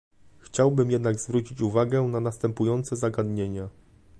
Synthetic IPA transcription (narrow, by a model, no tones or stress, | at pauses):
xt͡ɕawbɘmjɛd̪naɡzvɾut͡ɕit͡ɕuvaɡɛnanast̪ɛmpujɔnt̪sɛzaɡad̪ɲeɲa